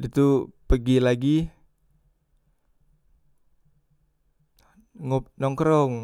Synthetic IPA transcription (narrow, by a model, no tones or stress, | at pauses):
it̪upəɡilaɡi | ŋonɔŋkɾɔŋ